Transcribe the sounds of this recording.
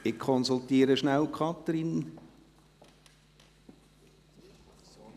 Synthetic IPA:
ɪkkʰɔnsult̪iːɾəʃnæwkʰχɑt̪ɾin

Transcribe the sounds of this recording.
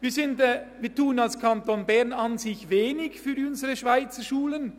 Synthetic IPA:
viːɐsɪndɛviːɐtuːənɑlskʰɑntonbɛʁnɑnzɪçveːnɪçfyːʊnzəʁəʃvaɪt͡səʃuːlən

